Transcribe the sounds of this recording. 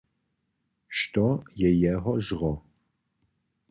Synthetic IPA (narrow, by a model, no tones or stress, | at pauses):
ʃtʰʼɔjɛjɛɦɔʒʁɔ